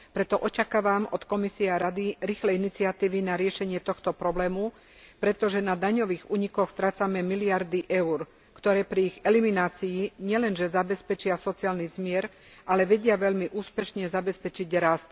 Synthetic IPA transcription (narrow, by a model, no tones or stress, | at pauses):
pɾɛt̪ɔʔɔt͡ʃakaːʋamɔt̪kɔmisiaɾad̪iɾiːxlɛinit͡siat̪iːʋinaɾɪɛʃɛɲɪɛt̪ɔxt̪ɔpɾɔblɛːmu | pɾɛt̪ɔʒɛnad̪aɲɔʋiːɣuːɲikɔxst̪ɾaːt͡samɛmiliaɾd̪iʔɛʊɾ | kt̪ɔɾɛːpɾiiɣɛliminaːt͡sijiɲɪɛlɛnʒɛzabɛspɛt͡ʃɪasɔt͡siaːlnizmɪɛɾ | ʔalɛʋɛɟɪaʋɛʎmiʔuːspɛʃɲɛzabɛspɛt͡ʃiɟɾast̪̚